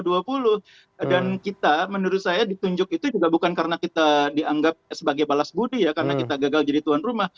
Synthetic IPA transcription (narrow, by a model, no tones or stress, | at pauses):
duapulʊh | dankit̪amənuɾʊt̪sajadit̪uɲd͡ʒʊk̚it̪ud͡ʒuɡabukankaɾənakit̪adiʔaŋɡap̚səbaɡajbalasbudijakaɾənakit̪aɡaɡald͡ʒadit̪uanrumah